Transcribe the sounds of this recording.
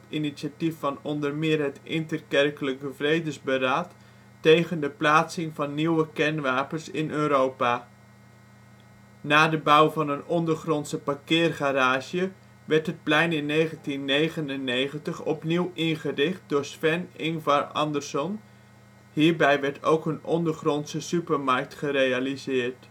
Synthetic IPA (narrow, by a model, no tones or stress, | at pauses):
tiniʃatifːɑnɔndəɹmɪːɹɦətʔɪ̰ntərkɛrkələkəvrejdəzbəɾaːtː | ejχəndəplaːtsɪŋvɑnːiwəkɛnʋaːpəɹsɪnøːɾowpaː | naːdəbʌwvɑnənɔndəɹχrɔnsəpakɪːrχaɾaːʒjə | ʋɛɹtɦət̚plɛjnɪnːejχəntinːejχənənːejχəntəχɔ̰pniwʔɪnχərɪχt̚dʊːɹsfɛnɪŋvaɹɑ̰ndəɹsɔn | hiːɹbɛjʋɛɹtʰo̰wkənɔndəɹχrɔntsəsypəɹmɑɹk̚tχəɾejalizɪːɹt